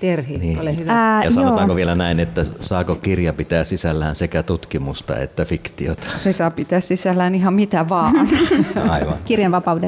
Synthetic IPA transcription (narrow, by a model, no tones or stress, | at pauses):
t̪erhiniːolihyʋjɑsjɑonot̪ɑːkoʋielænæˑinet̪ːæsɑːkokirjɑpit̪æːssisælːæːnsekæt̪ut̪kimust̪ɑ̰ḛt̪ːæfikt̪io̰t̪ɑ̥sesɑːpit̪æːssisælːæːnihɑmmit̪æʋɑːnɑ̰iʋɑ̰nkirjɑnʋɑpɑude